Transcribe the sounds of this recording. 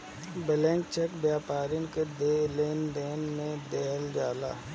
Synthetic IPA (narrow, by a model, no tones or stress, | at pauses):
bəlẽŋk̚t͡ʃekbjaːpaːɾɪnked̪eleːnd̪eːnmẽd̪ɛːld͡ʒaːla̰ː